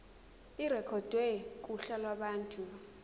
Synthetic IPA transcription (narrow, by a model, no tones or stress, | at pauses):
iɾɛkʰɔd̥ʱwɛk̬ʼuɬalwaɓaːntʰʼu